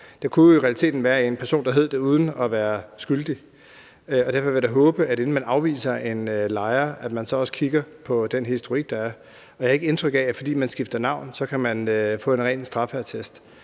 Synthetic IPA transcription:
d̥ɑ̈kʰuiʁɛæli̥t͡sʰe̝̰ːd̥n̩ʋæːɐe̝npʰæɐso̝̰ːnd̥ɑ̈ɦe̝ð̞̰ˠd̥e̝uːð̞ˠn̩ɒʋæːɐsɡ̥yld̥i | øɒ̽dæɐfɒ̽ʋeɾ̥ɑɦɔ̽ːb̥əæɾe̝n̩mænɑ̈ʊʋḭːsɐʔe̝nølɑ̈ɪɐʔæd̥mænsɒ̽ɒ̽sə̥kʰiɡ̥ɐpʰɒ̽d̥enɦisd̥oʁiɡ̥̚d̥ɑ̈æɐ | ɒ̥æhɑ̈e̝ɡ̥əe̝nt͡sʰʁœɡ̥ɛæfɒ̽d̥ḭːmænsɡ̥ifd̥ɐnɑ̈ʊ̰nsɒ̽kʰæmænøfɔ̰̽ːe̝nʁɛ̰ːnsd̥ʁɑ̈fæt͡sʰesd̥

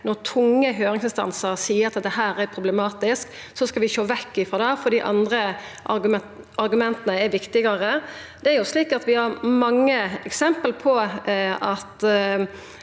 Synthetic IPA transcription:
nɔɾt̪ʰʊŋːəɦøːɾɪŋsɪnst̪ɑ̰nsəɾsiːəɾɑt̪d̪ɛɦæːɾæɾpʰɾʊblɛmɑːt̪ɪsk | sɔskɑʋɪʃoːʋɛkːɪfɔd̪ɛfɔɾd̪iːʔɑnd̪ɾə | ʔɑɡ | ɑɾɡʉmɛnt̪ənəɛɾʋɪkt̪ɪɡɑɾə | d̪̥ɛæɾjʊsliːkɑt̪ʋɪhɑɾmɑŋːəɛksɛmpəlpʰɔ | ɑt̪

